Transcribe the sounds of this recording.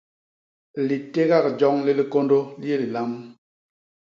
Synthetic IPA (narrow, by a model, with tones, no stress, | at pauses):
li˨te˦ɣa˦˨k̚d͡ʒɔ˦ŋli˦li˦ko˦ndo˦li˦e˦li˨la˦m